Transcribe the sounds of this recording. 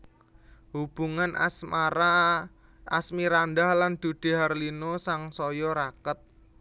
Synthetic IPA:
hub̥ṳŋansaɾa | a̰smiɾandahland̪̥ṳd̪̥e̤ɦarlinosaŋsɔjɔɾakət̪̚

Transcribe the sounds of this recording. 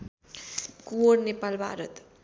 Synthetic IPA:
kuoɾnepalbʱa̰ɾət̪

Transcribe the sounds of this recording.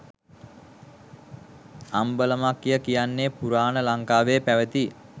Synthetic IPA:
ambələmakːjəkijanːepuɾaːnəlaŋkaːʋepæʋət̪i

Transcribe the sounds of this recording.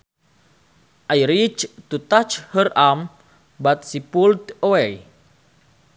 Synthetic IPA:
ʔajɾit͡ʃt̪ut̪at͡ʃhəram | bat̪̚sipuld̪oɛj

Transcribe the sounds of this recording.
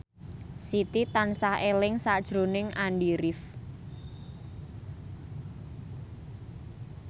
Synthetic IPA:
sit̪it̪ansahelɪŋsad̥ʒ̥ɾo̤nɪŋʔanɖiɾɪf

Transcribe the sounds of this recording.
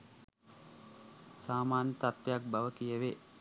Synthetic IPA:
saːmaːnjət̪at̪ːejak̚baʋəkijəʋe

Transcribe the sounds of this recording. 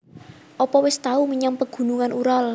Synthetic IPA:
ʔɔpɔwɪst̪auməɲaŋpəɡ̥ṳnuŋanʔuɾal

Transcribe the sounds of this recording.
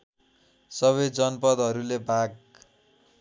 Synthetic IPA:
sʌβʌjd͡zʌnpʌd̪ɦʌɾulebʱaɡ̚

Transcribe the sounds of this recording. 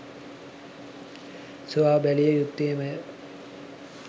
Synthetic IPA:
suʋaːbælijəjut̪ːeːmə

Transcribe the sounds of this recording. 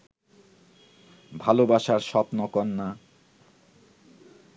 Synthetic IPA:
bʱalobaʃaɾʃɔpnokɔnːa

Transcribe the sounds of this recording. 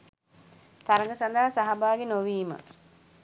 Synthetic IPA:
t̪aɾəŋɡəsand̪aɦasaɦabaːɡenoʋiːmə̰

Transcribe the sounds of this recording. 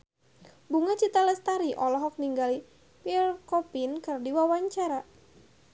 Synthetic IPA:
buŋat͡ʃit̪alɛst̪aɾiʔɔlɔɦɔk̚niŋɡali | pirkɔpinkərdiwawaɲt͡ʃaɾa

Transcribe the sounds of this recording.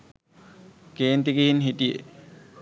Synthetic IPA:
keːnt̪ikeɦinɦiʈijḛ

